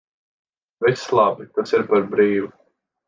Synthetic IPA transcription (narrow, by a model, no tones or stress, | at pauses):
vislˠɑbit̪asiɾpaɾbɾiːʋu